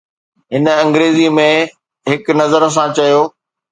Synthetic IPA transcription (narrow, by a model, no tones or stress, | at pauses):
ɦɪnəɐ̃ŋɡɾeːzimẽ | ɦɪknɐzəɾəs̬ãt͡ɕɐjoː